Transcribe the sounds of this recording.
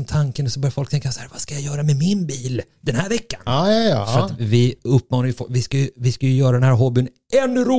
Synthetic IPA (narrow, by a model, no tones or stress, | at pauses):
mt̪ʰaŋkənɔsɔbœɾjafɔlkt̪ɛŋkasahæːɾvaskajajœːɾamɛmɪnbiːl | d̪ɛnhæːɾvɛkːanːsɔat̪vɪɵpːmɑːnajʏfɔvɪskajɵvɪskajɵjœːɾad̪ɛnhæːɾɦɔːbɪn | ɛnːɾuː